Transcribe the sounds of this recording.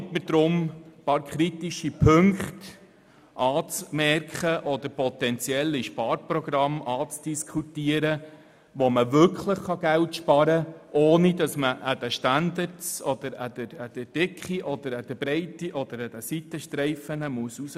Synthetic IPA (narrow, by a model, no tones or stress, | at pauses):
tmədɾʊmpɑːɾkʰχɾitiʃipʰɵŋkχt | ʔɑːt͡smɛrkχəʔɔd̪əɾpɔt̪ɛnt͡sjɛlːiʃpɑːɾprɔɡ̥ɾɑmɑːt͡sd̥iskʰχutiəɾə | ʋɔməvʏɾkχləχχɑɡæltʃpɑɾəʔoːnidɑsməʔæd̥æʃtændəɾtsɔd̥̪əɾædəɾæd̥əd̥ɪkχiʔɔd̪əɾæd̥əbɾɛɪtiʔɔd̥̪əɾæd̥æsit̪əʃtɾɛɪfənəmuəsus